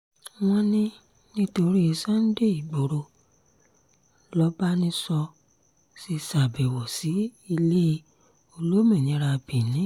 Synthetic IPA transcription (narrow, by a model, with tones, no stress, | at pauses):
w̃ɔ̃˦nĩ˦ | nĩ˦to˧ɾi˦e˧sã˦n̩˦de˦˨i˨ɡ͡bo˨ɾo˧ | lɔ˦ba˦nĩ˦sɔ˧ | si˧sa˨bɛ˨wɔ˨si˨˦i˧le˦i˧ | o˧lo˦mĩ˦˨nĩ˨˦ɾa˧bĩ˨nĩ˨˦